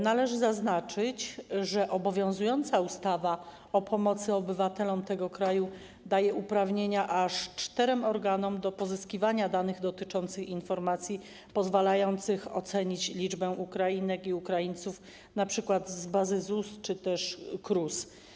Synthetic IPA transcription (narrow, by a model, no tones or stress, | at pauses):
nalɛʐɘzaznat͡ʂɘt͡ɕʐɛʔɔbɔvʲjɔ̃w̃zujɔnt̪saust̪ava | ɔpʰɔmɔt̪sɘɔbɘvat̪ɛlɔmt̪ɛɡɔkɾaju | d̪ajɛʔupɾavɲeɲaʔaʂt͡ʂt̪ɛɾɛmɔɾɡanɔmd̪ɔpɔzɘskʲivaɲad̪anɘɣd̪ɔt̪ɘt͡ʂɔnt̪sɘxinfɔɾmat̪sʲji | pɔzvalajɔnt̪sɘxɔ̰t̪sɛɲit͡ɕlʲid͡ʐbɛʔukɾajinɛkiukɾajinʲt̪suf | napʂɘkwad̪zbazɘzust͡ʂɘt̪ɛʂkɾus